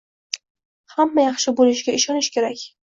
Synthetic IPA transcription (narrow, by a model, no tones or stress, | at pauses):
hamːajɑχʃɪbolɪʃɡʲaɪʃɒnɪʃkʲʰe̞ɾakʲ